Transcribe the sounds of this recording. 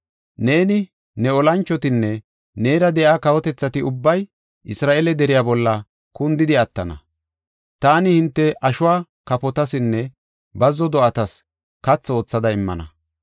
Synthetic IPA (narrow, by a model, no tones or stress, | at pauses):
ne̞ːnɪ | nɛɔlɐnt͡ʃːɔt̪ɪnːɛ | neːɾɐd̪ɛʔaːkɐwɔt̪ɛt͡sːɐt̪ɪʊbːɐj | ʔɪsɾaːʔelɛd̪ɛɾɪjaːbɔlːɐ | kʊnd̪ɪd̪ɪɐt̪ːɐnɐ̰ | t̪aːnɪhɪnt̪ːɛʔɐʃʊwaː | kɐpɔt̪ɐsɪnːɛ | bɐzːɔd̪ɔʔɐt̪ɐs | kɐt͡sːo̞ːt͡sːɐd̪ɐɪmːɐ̰nɐ̰